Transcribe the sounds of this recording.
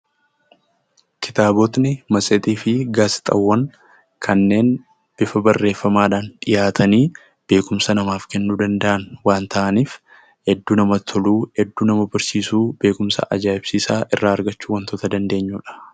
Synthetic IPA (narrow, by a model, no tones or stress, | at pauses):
kʰɪ̥t̪aːbɔt̪nɪmɐsʼɛt̪ʼiːfɪɡaːsɪ̥t̪ʼɐwːɐŋ | kʰɐnːe̞ːn | b̥ɪfɐbɐrːe̞ːfːɐmaːᶑaːnᶑɪjaːt̪ʰɐniː | b̥e̞ːkʊmsɐnɐmaːfkɛnːuːd̪ɐnd̪ɐʔɐnwaːnt̪ʰɐʔɐniːf | hɛd̪ːuːnɐmɐt̪ʰɔluːhɛd̪ːuːnɐmɐbɐɾsiːsuːb̥e̞ːkʊmsɐ̰ʔɐ̰d͡ʒaːɪb̥siːsaːʔɪrːaːɐɾɡɐt͡ʃːuːwɐnt̪ɔt̪ɐd̪ɐnd̪e̞ːɲːuːᶑɐ̥